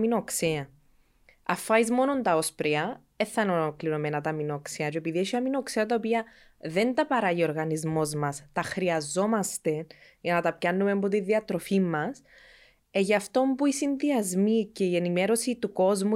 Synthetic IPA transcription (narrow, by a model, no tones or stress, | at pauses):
minokseɐ | ɐfːɐizmo̞nont̪ɐo̞spɾiɐ | e̞θːɐnolokliɾo̞me̞nɐt̪ɐminokseɐt͡ʃuepiðieʃiɐminokseɐt̪ɐopiɐ | ðe̞nt̪ɐpɐɾɐjio̞ɾɣɐnizmo̞zmɐst̪ɐxɾiɐzːo̞mɐst̪e̞ʝɐnɐt̪ɐpcɐnːumembot̪iðiɐt̪ɾo̞fimːɐs | eʝɐft̪o̞mpuisinðiɐzmice̞ie̞nime̞ɾo̞sit̪uko̞zmu